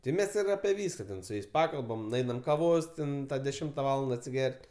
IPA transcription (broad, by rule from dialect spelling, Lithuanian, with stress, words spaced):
tʲɪ ˈmʲɛs ɪr ɐpʲɛ ˈʋʲiːskɐ tʲɛn sʊ ˈjɛɪs ˈpɑːkɐlˠbɐm nʊˈɛɪnɐm kɐˈʋoːs tʲɛn dʲɛˈʃʲɪmtɐ ˈʋɑːlˠɐndɐ ɐtʲsʲɪˈɡʲɛrʲtʲ